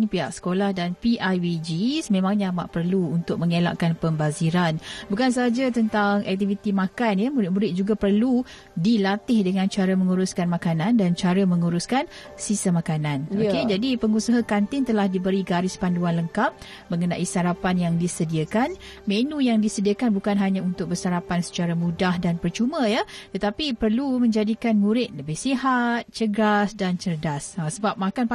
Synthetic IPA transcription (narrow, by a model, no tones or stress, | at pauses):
nipiɦa̰ʔsə̥kolahdanpiʔajwid͡ʒismẽmãŋɲaama̰ʔpərluunt̪ʊk̚məŋela̰ʔkanpəmbaziɾanbukans̬ad͡ʒat̪ənt̪aŋɛ̰k̚t̪ifit̪imakanjəmuɾɪt̪̚muɾɪt̪̚d͡ʒuɡapərlu | dilat̪ɪhdəŋãnt͡ʃaɾəməŋuɾuskanmakanandant͡ʃaɾəməŋuɾuskan | sist̪əmakananoked͡ʒadipəŋusaɦakant̪ɪŋt̪əlahdibəɾiɡaɾɪspanduanləŋkap̚ | mə̃ŋənaʔisaɾapanjaŋdisədiakan | menũjaŋdisədiakanbukanɦaɲãunt̪ʊk̚bərsaɾapansə̥t͡ʃaɾamudahdanpərt͡ʃumə̃jat̪ət̪apipərlumə̃ɲd͡ʒadikanmuɾɪt̪̚ləbɪhsiɦat̪̚t͡ʃəɡasdant͡ʃərdasasəbap̚makan